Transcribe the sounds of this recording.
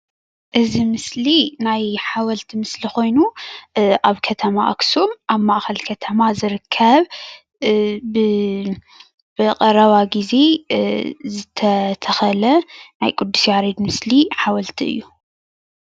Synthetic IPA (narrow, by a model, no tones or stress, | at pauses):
ʔɨzimɨslinajħawɐlt̪ʰimɨslixo̞jnu | ʔaβkʰɐt̪ʰɐmaʔɐ̰ksumʔaβmaʔxɐlkʰɐt̪ʰɐmazɨɾɨkʰːɐβ | ɨ | b̥ɨqʼɐɾɐβaɡize̞ | zɨt̪ʰɐt̪ʰɐxɐlɐnajkʼud̪ːusijaɾed̪mɨsliħawɐlt̪ʰiɨ̰jːu